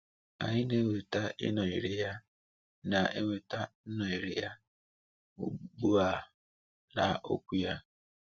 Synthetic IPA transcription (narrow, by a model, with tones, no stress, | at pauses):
a̰˨ɲɪ˦ne˦ŋʷe˨ta˦ʔɪ̰˦nɔ˨i˨ɾɪ˨ja˦ | na˨e˦ŋʷe˨ta˦n̩˦nɔ˨i˨ɾɪ˨ja˦ | ṵ˨ɡ͡bu˦a˦ | la̰˨ʔo̰˦kʷu˦ja˦